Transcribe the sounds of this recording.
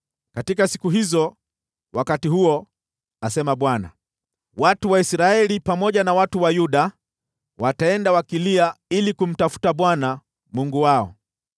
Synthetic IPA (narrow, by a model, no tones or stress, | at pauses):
katikasi̥kuɦizɔ | wakatihuɔ | asɛmaɓwana̰ | watuwaisɾaɛlipamɔʄanawatuwajuɗa | wataɛndawakiliailikum̩tafu̥taɓwana | muŋɡuwaɔ̰